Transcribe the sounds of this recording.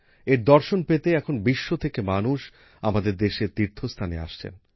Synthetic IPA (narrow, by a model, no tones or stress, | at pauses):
eɾd̪ɔɾʃonpet̪eɛkʰonbiʃːot̪ʰekemanuʃ | amad̪eɾd̪eʃeɾt̪iɾt̪ʰost̪ʰanea̰ʃt͡ɕʰḛn